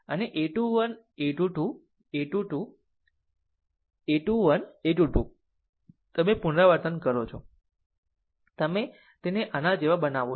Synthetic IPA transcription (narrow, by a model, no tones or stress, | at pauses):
əneʔeʈuʋən | eʈuʈu | eʈuʈu | eʈuʋəneʈuʈu | t̪əmepunɾaʋəɾt̪ənkəɾot͡ʃʰo | t̪əme | t̪eneʔanad͡ʒeʋabənaʋo